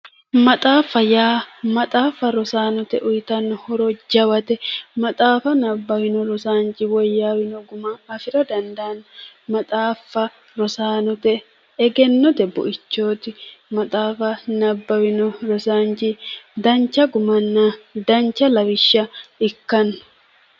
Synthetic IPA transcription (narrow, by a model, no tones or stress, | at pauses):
mɐt̪ʼaːfɐjaːmɐt̪ʼaːfɐɾɔsaːnɔt̪ɛʔʊjt̪ɐnːɔhɔɾɔd͡ʒɐwɐt̪ɛmɐt̪ʼaːfɐnɐbːɐwɪnɔɾɔsaːnt͡ʃɪwɔjːawɪnɔɡʊmɐːfɪɾɐd̪ɐnd̪aːnːmɐt̪ʼaːfːɐ | ɾɔsaːnɔt̪ɛ | ɛɡɛnːɔt̪ɛbɔ̰ʔɪt͡ʃːoːt̪ɪmɐt̪ʼaːfɐnɐbːɐwɪnɔɾɔsaːnt͡ʃɪd̪ɐnt͡ʃːɐɡʊmɐnːad̪ɐnt͡ʃːɐlɐwɪʃːɐɪkːɐnːʊ̥